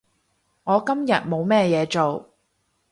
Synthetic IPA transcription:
ŋɔː˨˧kɐ˥mjɐ̰˨t̚mo˨˧wmɛː˥˧jɛː˨˧t͡ʃo˨w

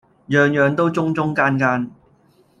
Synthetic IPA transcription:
jœː˨ŋjœː˨˧ŋt̪o˥wt͡sʊ˥ŋt͡sʊ˥ŋkaː˥nkaː˥n

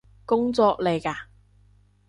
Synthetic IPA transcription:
kʊ˥ŋt͡sɔː˧k̚le˨˧jkaː˧

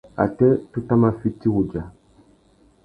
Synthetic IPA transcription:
a̰˨tɛ˦tu˦ta˦ma˨fi˦ti˦wu˨d͡ʒa˨

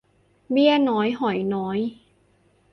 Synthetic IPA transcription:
bi˥˩ənɔː˦˥jɦɔ˩˦jnɔː˦˥j

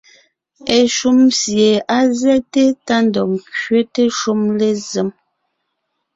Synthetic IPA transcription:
e˨ʃu˦msje˨a˦zɛ˦te˦ta˦ndɔ˨ŋkɥe˦te˦ʃu˦mle˦ze˨˦m

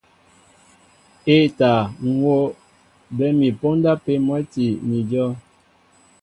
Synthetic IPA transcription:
e˦˨ta˨ŋ̩˨˦wo˦ | bɛ˦mi˨po˦n˦da˦pe˦mwɛ˦ti˨ni˨d͡ʒɔ˦

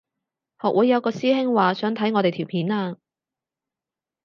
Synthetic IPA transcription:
hɔː˨k̚wu˨˥jːɐ˨˧kɔː˧siː˥hɪ˥ŋwaː˨sœː˨˥ŋt̪ʰɐ˨˥jŋɔː˨˧t̪e˨jt̪ʰiː˨˩wpʰiː˨˥naː˧

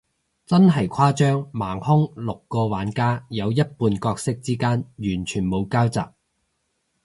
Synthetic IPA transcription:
t͡sɐ˥nɦɐ˨˩jkʷʰaː˥t͡ʃœː˥ŋmaː˨˩ŋhʊ˥ŋlʊ˨kːɔː˧waː˨˥nkaː˥jɐ˨˧wjɐ˥t̚puː˧nkɔː˧k̚sɪ˥k̚t͡siː˥kaː˥njyː˨˩nt͡ʃʰyː˨˩nmo˨˧wkaː˥wt͡sa̰ː˨k̚

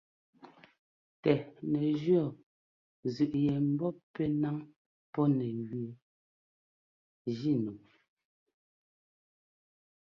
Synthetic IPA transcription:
tɛ˨nɛ˨ʒɥɔ˦˨ | zʉ˨ʔjɛ˨m̩˦bɔ˦pɛ˦na˦ŋ | pɔ˦nɛ˨ɣi˨e˨ | d͡ʒi˦nu˨

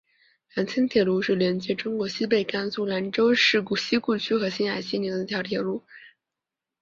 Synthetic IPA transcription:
la˧˥nt͡ɕʰi˥ŋt̪ʰjɛ˨˩lu˧˥ʂɻ̩˥˩ljɛ˧˥nt͡ɕjɛ˧˥ʈ͡ʂʊ˥ŋkwɔ˧˥ɕi˥p̬e˥˩ɪka˥nsu˥˩la˧˥nʈ͡ʂo˥ʊʂɻ̩˥˩ku˥˩ɕi˥ku˥˩t͡ɕʰy˥xɤ˧˥ɕi˥na˨˩ɪɕi˥ni˧˥ŋd̪ə˧jɑ˧˥ʊt̪ʰjɛ˨˩lu˧˥

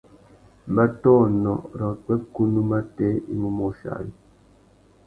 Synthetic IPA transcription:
m˨ba˦tɔː˦˨nɔ̰˨ɾɔ˨k͡pɛ˦p̚ku˦nu˦ma˦tɛ˦ḭ˦mu˦mɔ˦ʃa̰˨ji˦

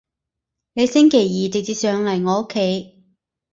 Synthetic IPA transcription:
ne˨˧jsɪ˥ŋkʰe˨˩jjiː˨˩t̪e˨ŋ̚t͡siː˧sœː˨˧ŋlɐ˨˩jŋɔː˨˧o˥kʰːe˨˥j

